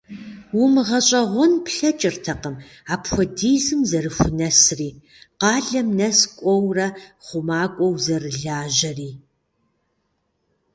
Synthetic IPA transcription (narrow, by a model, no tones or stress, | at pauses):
wʊmɨʁɐɕʼɐʁʷɔnpɬɐt͡ʃʼɪrtʰɐqəm | aːpʰʷɔdiːzɨmzɐrɨxʷʊnɐsriː | qɑːɮɐmnɐskʷʼɔwrɐχʷʊmaːkʷʼɔwzɐrɨɮaːʒɐriː